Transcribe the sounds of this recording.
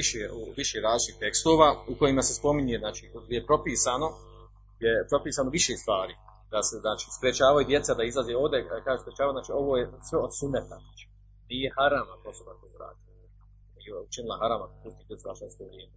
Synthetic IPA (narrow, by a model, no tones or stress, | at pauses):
iʃeuʋiʃeːɾaːzlit͡ʃt̪iht̪e̞kst̪oːʋaːuko̞jimasespo̞miɲeznaːt͡ʃiːɡ̪ʲejepɾo̞piːsaːno̞ | jepɾo̞piːsaːnoʋiʃest̪ʋaːɾiː | d̪aseznaːt͡ʃi̥ːspɾet͡ʃaːʋajud̪je̞t̪sad̪aizlˠazeo̞ːʋd̪ekaːespɾet͡ʃaːauznaːt͡ʃiːo̞ʋoːjesʋeod̪sumnet̪aznaːt͡ʃi̥ | niːjehaɾaːmakosobak̪ojuɾa̰ːd̪ila | jeut͡ʃinilˠaɦaɾaːmakopust̪id̪je̞tsua̰ʃenskoʋɾjeːme